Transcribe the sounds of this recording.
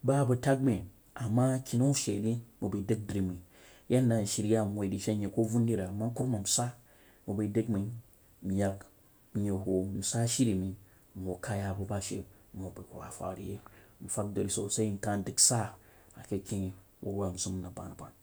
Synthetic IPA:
ba˦˨bɐ˨ta˦k̚me˨ | a˨mːa˦kʰʲi˦no˦ʃe˨ɾi˦mu˨bi˨dɨ˦k̚dɾi˨mi˨˦ | ja˦n˦da˨n̩˨ʃi˨ɾi˦ja˦m˨wo˨i˨di˨ʃe˦ɲe˨ko˦vu˦n˦di˦ɾa˨ma˦ku˦ɾma˨m̩˨sa˦ | mu˨ba˨˦də˦kmi˨˦ | m̩˨ja˨k | m̩˨ɲe˨ɦo˨m̩˨sa˦ʃi˦ɾi˨mi˨ | m̩˨o˨ka˦ja˨bu˨ba˦ʃḛ˨˦ | m̩˨o˨bi˨kṵ˨wa̰˨fa̰˨ɾḭ˨je˦m̩˨fa˦k̚do˨ɾi˨so˨sa˦i˦n̩˨ka˦n˦dɨ˨ksa˦ | a˨ke˦kʲi˦ | wʔo̰˦ɾwa˨n̩˨zu˦m˦na˨ba̰˨na˨ba̰˨n

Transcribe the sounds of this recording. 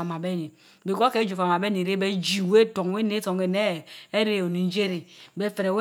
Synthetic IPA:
a˨ma˨be˦ni˨ | be˨ko˦ke˦d͡ʒu˨fa˨ma˨be˦ni˨ɾe˦be˦d͡ʒi˨we˦to˨ŋ˦we˦ne˦to˨ŋe˨ne˦˨e˦ɾe˦o˨ni˨n˦d͡ʒe˦ɾi˨be˦fe˨ɾe˨we˦

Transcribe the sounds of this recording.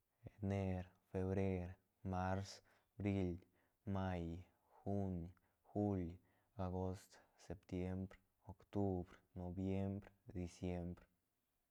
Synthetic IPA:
e˨ne˧ɾfe˧βɾe˦ɾ | ma˦ɾs | bɾi˧l | ma˧j | xu˦ɲ | xu˦l | a˧ɡo˦˧st̪se˨p̚t̪je˦mbɾ | o˨kt̪u˦bɾno˨bje˦mbɾd̪i˨sje˦mbɾ

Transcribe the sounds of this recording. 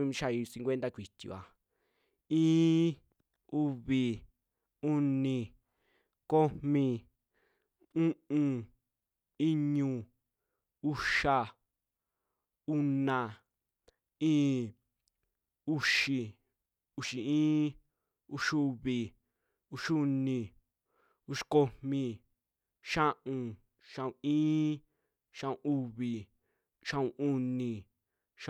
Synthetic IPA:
ĩ˧˦˧ʃa˧˨i˧sĩ˧ŋkʷwe˦nt̪a˦˧kʷi˨t̪ʲḭ˨a̰˨ | ĩː˦ | u˧βi˨ | u˦˧nĩ˧ | ko˦mĩ˧ | ũ˦ʔũ˧ | i˦ɲũ˧ | u˦˧ʃa˧ | u˧nã˨ | ĩː˦ | u˦˧ʃi˨ | u˧ʃi˨ĩː˦ | u˧ʃu˧βi˨ | u˧ʃu˧nĩ˧ | u˧ʃi̥˧ko˧mmĩ˧ | ʃã˦ʔũ˧ | ʃã˧ũ˨ĩː˦ | ʃã˧ũ˧ʔu˧βi˨ | ʃã˧˦ũ˧ʔu˧nĩ˨ | ʃ

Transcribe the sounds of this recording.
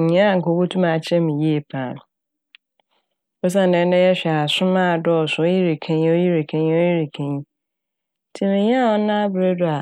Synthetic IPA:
ɲã˦a˦˨ŋ̩˨kʰo˨˦bo˦tʰũ˦mã˨t͡ɕʰɛ˦mĩ˨ji˦e˨pʰãː˨˦˨n˨ | ɔ˦s̬ã˦˨n˨dɛ̃˨˦n˦dɛ˦jɛ˦ɕᶣɛ˨a˨sʊ̃˦mã˦˨dɔ˦ɔ˨sʊ˨o˦ji˦ɾi˨kʰẽ˦ɲ̃˦o˦ji˦ɾe˨kʰã˦ɲĩ˦o˦ji˦ɾi˨kʰã˨ɲĩ˦ | tʰĩ˦mĩ˨ɲã˦˨ɔ˦nã˦bɾe˦dʊ˦a˨

